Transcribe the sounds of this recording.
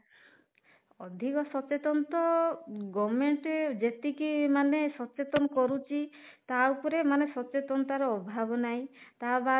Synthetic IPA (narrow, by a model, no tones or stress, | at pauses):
ɔ̰d̪ʱikɔsɔt͡ʃet̪ɔnt̪ɔɡɔmeɳʈed͡ʒet̪ikimanesɔt͡ʃet̪ɔnɔkɔɾut͡ʃʰit̪aupɔɾemanesɔt͡ʃet̪ɔnt̪aɾɔɔbʱabɔnaĩt̪aba